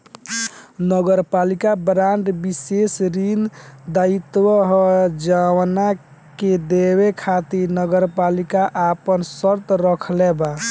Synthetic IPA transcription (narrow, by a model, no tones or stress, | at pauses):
nəɡəɾpalikabɾaɳɖbisesɾind̪ait̪wəɦd͡ʒawna | ked̪ewekʰat̪iɾnəɡəɾpalikaʔapənsəɾt̪ɾəkʰleba